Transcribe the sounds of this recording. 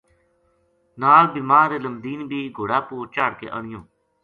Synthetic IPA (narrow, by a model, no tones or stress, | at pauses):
naːlbiːmaːɾeːləmd̪iːnbʱiːɡʱoːɽaːpuːɾt͡ʃaːɽkḛːʔəɳ̃ɪjõː